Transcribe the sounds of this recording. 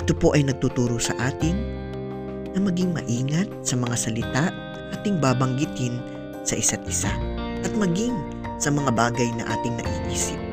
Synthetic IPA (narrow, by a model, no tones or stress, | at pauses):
ʔɪt̪opo̞ʔɐjnɐɡ̚t̪ut̪uːɾosɐ̰ʔaːt̪ɪŋ | nɐmɐɡiŋmɐ̰ʔiːŋɐt̪̚sɐmɐŋasɐlɪt̪aʔ | ʔaːt̪ɪŋbaːbɐŋɡɪt̪hɪn | sɐʔɪsat̪̚ʔɪsaʔɐt̪̚mɐɡɪŋ | sɐmɐŋabaːɡɐjnɐ̰ʔa̰ːt̪ɪŋnɐ̰ʔḭːʔiːsɪp̚